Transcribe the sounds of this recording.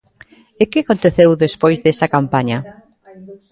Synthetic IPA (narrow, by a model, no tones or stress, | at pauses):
ɪkɪakont̪eθewðespojzðesɐkampaɲɐ